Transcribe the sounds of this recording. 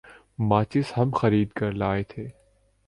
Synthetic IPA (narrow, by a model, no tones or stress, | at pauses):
maːt͡ʃɪshɐmxɐɾiːd̪kɐɾlaːet̪ʰeː